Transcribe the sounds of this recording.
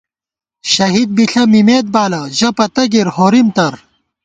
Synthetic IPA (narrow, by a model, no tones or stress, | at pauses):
ɕɐɦid̪̚biɬɐmimeːd̪̚baːlɐʑɐpɐt̪ɐɡiɾhoːɾimt̪ɐɾ